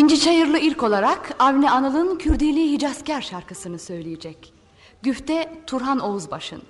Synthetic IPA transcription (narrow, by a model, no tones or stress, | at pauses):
ind͡ʒit͡ʃajɯɾlˠɯilʲco̞lˠaɾakʰavnʲɛanɯlˠɯncʰyɾd̪ijlʲiːɦid͡ʒascæɾʃaɾkʰɯsɯnɯsø̞jlʲijɛd͡ʒɛc | ɟ̥yft̪ɛt̪ʰuɾɦano̞uzbaʃɯ̰n